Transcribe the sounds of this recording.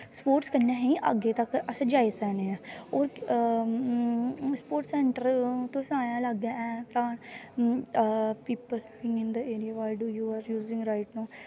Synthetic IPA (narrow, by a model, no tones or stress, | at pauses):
spoːʈskənːɛ̃ːɦĩːʔa̰ːɡeːt̪əkəsãːd͡ʒaːieːsɛːneːɛ̃oːɾ | spoːɾʈsɛːɳʈəɾt̪õːsãːjãːləɡãːɛ̃ːt̪aːn | piːpəlfɪ̃ŋɡɪ̃nd̪əeːɾijaːʋaːɪɖuːjuːaːɾjuːzɪ̃ŋɡɾaːɪʈnaː